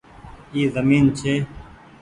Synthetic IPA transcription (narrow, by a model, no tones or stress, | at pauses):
iːzəmiːnt͡ɕʰeː